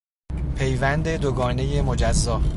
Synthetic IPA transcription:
pʰe̞jvænd̪e̞d̪oɡɒːne̞jemo̞d͡ʒæzːɒː

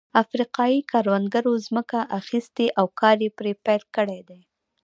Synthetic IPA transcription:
afɾiqɑjikʰɑɾwand̪ɡaɾozməkaʔaxist̪eʔawkɑɾjepɾepajlkəɽed̪ej

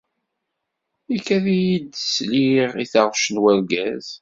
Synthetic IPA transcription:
ikːæðijid̪sliʁiθɑʁʃənwæɾɡæz̥

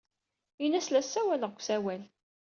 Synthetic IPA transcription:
inæslæsːæwæləʁkʷːsæwæl

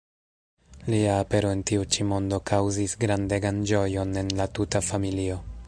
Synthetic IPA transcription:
liaːpe̞ɾo̞e̞ntiut͡ʃimo̞ndo̞kʰawzisɡɾande̞ɡand͡ʒo̞jo̞ne̞nlatutafamilio̞

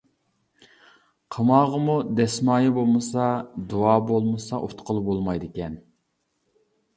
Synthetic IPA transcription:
qʰəmɑːʁəmud̪ɛsmɑːjibolˠmɨsɑd̪uɑːbolˠmɨsɑʔo̰t̪qʰəlˠbolˠmɑjd̪ɪkʲɛn

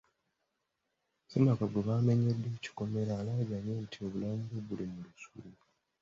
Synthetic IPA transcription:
semakaɡoβaːme̞ɲedːe̞ːci̥ko̞me̞ɾaːlaːɟaɲontʰio̞βulaːmɡoβulimulusulu

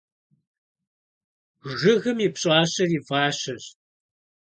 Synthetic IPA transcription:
ʒɨɣɨmipɕʼɑːɕɐriːvaːɕɐɕ

